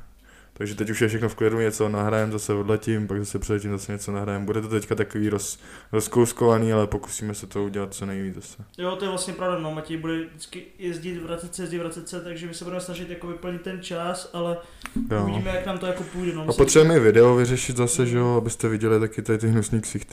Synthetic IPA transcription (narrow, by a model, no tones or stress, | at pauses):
t̪aɡʒɛt̪ɛcuʃjɛfʃɛxnofklɪduɲɛt͡so̞naɦɾajɛmzasɛvodlɛcɪmpaɡzasɛpr̥ɛlɛcɪmzasɛɲɛt͡sonaɦɾajɛmbudɛt̪ot̪ɛckat̪akoviːɾos | ɾoskowskovaniːalɛpo̞ku̥siːmɛsɛt̪ouɟɛlat̪̚t͡sonɛjviːt͡szasɛjot̪ojɛvlast̪ɲɛpɾavdanomacɛjbudɛdɪt͡skɪjɛzɟɪt̪vɾatt͡sɛt̪sɛjɛzɟɪvɾat͡sɛt̪sɛt̪aɡʒɛmɪsɛbudɛmɛsnaʒɪt̪jakovɪpl̩ɲɪt̪ːɛnt͡ʃasʔalɛ | joviimɛjaknaːmt̪ojakopujdɛnoaot̪r̥ɛbɛmɛɪvɪdɛovɪrɛʃɪt̪zasɛʒɛoabɪst̪ɛvɪɟɛlɪt̪akɪt̪adɪt̪̬ɪɦnusniːksɪxt̪